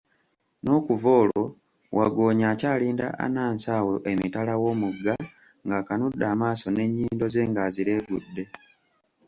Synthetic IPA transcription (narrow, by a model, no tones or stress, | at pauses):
no̞ːkuvo̞ːlo̞ | wʔaɡo̞ːɲaːcaːliːnda̰ʔa̰naːnsaːwo̞ʔemitalawo̞ːmuɡːa | ŋɡakanudːaːmaːso̞ne̞ɲːiːndo̞ze̞ːŋɡaziɾe̞ːɡudːe̞